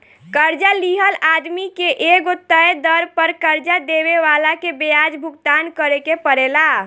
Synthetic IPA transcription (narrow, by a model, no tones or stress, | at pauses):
kəɾd͡ʒaliɦəlad̪mikeʔeɡot̪ːəjd̪əɾpəɾkəɾd͡ʒad̪eβeʋalakebejad͡ʒbʱuɡ̚t̪ankəɾekepəɾela